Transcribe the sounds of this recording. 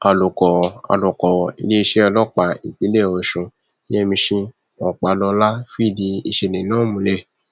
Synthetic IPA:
a˧˨lu˨kɔ˨a̰˨lɔ˨kɔ˨ḭ˧le˦i˧ʃɛ˦ɔ˧lɔ˦k͡pa˧˨i˨k͡pi˨˦le˦˨ɔ˨ʃũ˨˦ | ɛ˦˨mĩ˧ʃĩ˧ | ɔ˨k͡pa˨˦lɔ˧˦la˦fi˦˨di˧i˧ʃe˧˨nĩ˨nãː˦mũ˨˦le˦˨

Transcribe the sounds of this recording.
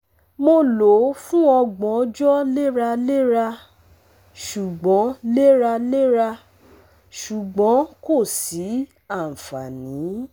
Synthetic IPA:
mo˧lo˨˦fũ˦ɔ˧ɡ͡bɔ̃˨˦d͡ʒɔ˦le˦ɾa˧le˦ɾa˧ | ʃu˨ɡ͡bɔ̃˨˦le˦ɾa˧le˦ɾa˧ | ʃu˨ɡ͡bɔ̃˨˦ko˦˨si˨˦ | a˦˨fa˨nĩ˨˦

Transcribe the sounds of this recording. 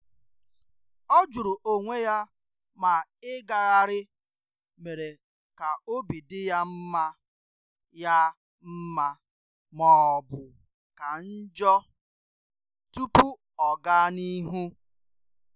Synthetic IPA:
ɔ˦d͡ʒu˨ɾu˨ʔo˨ŋʷe˦ja˦ | ma˨ɪ˦ɡa˨ɣa˦ɾɪ˦ | me˨ɾe˨ | ka˨o˦bi˨dɪ˦ja˦m̩˦ma˦ | ja˦ | m̩˦ma˦ | mɔ˨bʊ˨ | ka˨n̩˦d͡ʒɔ˦ | tu˦pu˦ | ɔ˨ɡa˦ni˦ɦu˦

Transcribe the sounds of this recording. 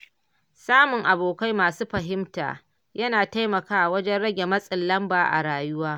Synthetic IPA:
saː˦mʊ˨ŋʔa˨boː˨ka˦jmaː˨suː˦ɸɐ˨ɦɪ˦mta̰ː˨ | jɐ˦naː˨ta˦jmɐ˨kaː˦˨wɐ˦d͡ʒɛ˦nɽɐ˦ɡʲe˨mɐ˦sʼɪ˨lːɐ˦mbaː˨ʔa̰˨ɽaː˨jʊ˦waː˦

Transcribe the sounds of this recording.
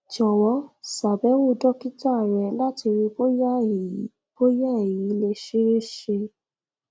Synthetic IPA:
d͡ʒɔ˨wɔ˨˦sa˨bɛ˨˦wo˦˧˨dɔ˦ki˦ta˦˨ɾ̃ɛ˨la˦ti˧ɾi˧bo˦ja˦˨˦ | bo˦ja˦˨e˨ji˨˦le˦ʃe˦ɾe˦ʃe˧

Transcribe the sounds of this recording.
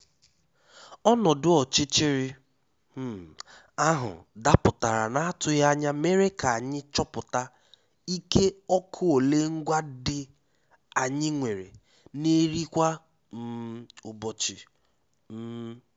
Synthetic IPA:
ɔ˦nɔ˨dʊ˨ɔ˨t͡ʃɪ˦t͡ʃɪ˦ɾɪ˦ | m̩˦ | a˦ɦʊ̰˨da˦pʊ˨ta˨ɾa̰˨na˦a˦tʊ˦ja˦ɲa˦me˦ɾe˦ka˨a˨ɲɪ˦t͡ʃɔ˦pʊ˨ta˦ | i˦ke˦ɔ˦kʰʊ˦o˨le˦ŋ̩˦ɡʷa˦dɪ˨ | a˨ɲɪ˦ŋʷe˨ɾḛ˨ | ne˦ɾi˦kʷa˦ | m̩˨˦ʊ˨bɔ˨t͡ʃɪ˨˦

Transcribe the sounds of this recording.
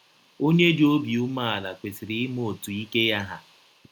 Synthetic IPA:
o˦ɲe˦dɪ˨o˦bi˨u˦ma˦˨a˨la˨kʷe˨si˨ɾɪ˦ɪ˦m˦o˨tu˨i˦ke˦ja˦ɦa˦

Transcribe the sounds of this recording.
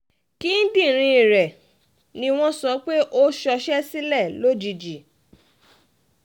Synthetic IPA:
ki˦n̩˦dĩ˦˨ɾ̃ĩ˧i˨ɾɛ˨ | nĩ˧w̃ɔ̃˦sɔ˨˧˦k͡pe˦ʔo˦ʃɔ˧ʃɛ˦si˦lɛ˦˨lo˦d͡ʒi˧d͡ʒi˨

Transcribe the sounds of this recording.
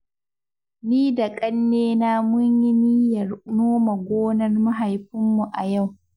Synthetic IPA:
niː˦da˨kʼɐ˦nːeː˦na˦mʊ˦ɲji˦niː˦jɐ˨rnoː˦ma˨ɡʷoː˦nɐ˦rma˦ɦa˨jɸɪ˦mːu˨ʔa˨ja˦˨w

